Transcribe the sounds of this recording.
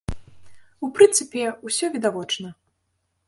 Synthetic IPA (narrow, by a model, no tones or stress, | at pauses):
upɾɨnt̪sɨpʲɛusʲɔvʲid̪avɔt͡ʂnɐ